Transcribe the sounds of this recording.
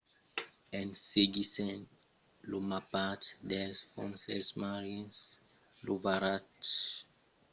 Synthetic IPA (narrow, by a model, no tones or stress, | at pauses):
ɛ̃nseɡisɛ̃n | lomapatdɛlsfɔ̃nsɛsmaɹiɛ̃ns | luvaɾat